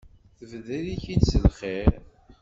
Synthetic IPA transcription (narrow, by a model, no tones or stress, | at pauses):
θvðæðiçid̪səlχeɾ